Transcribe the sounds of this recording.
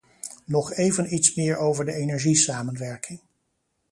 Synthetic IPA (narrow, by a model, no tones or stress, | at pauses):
nɔχejvənitsmɪːɹowvəɹdəenɛɹʒisaːmənʋɛɹkʰɪŋ